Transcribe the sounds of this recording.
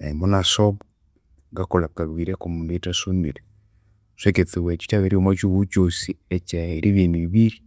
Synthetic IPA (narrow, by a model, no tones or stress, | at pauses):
eimonasoβo | ŋɡakolakaɾwiːɾekomunitasumḭɾe | seket͡siβwet͡ʃi̥taβeɾiomwat͡ʃuβut͡ʃosiet͡ʃaeɾʔiβiniβiβiɾi